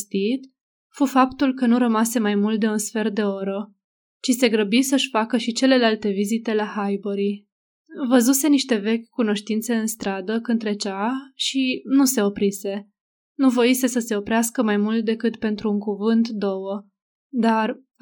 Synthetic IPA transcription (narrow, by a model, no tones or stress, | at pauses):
st̪it̪ | fufapt̪ulkənuɾəmase̞majmult̪̚d̪e̞unsfe̞rd̪e̞o̞ɾə | t͡ʃise̞ɡɾəbisəʃʲfakəʃit͡ʃe̞le̞lalt̪e̞vizit̪e̞lahajboɾi | vəzuse̞niʃt̪e̞ve̞kʲkuno̞ʃt̪int̪se̞ɨnst̪ɾad̪əkɨnt̪ɾe̞t͡ʃaʃinuse̞o̞pɾise̞ | nuvoise̞səse̞o̞pɾeaskəmajmult̪̚d̪e̞kɨt̪pe̞nt̪ɾuːŋkuvɨnt̪d̪o̞wə | d̪ar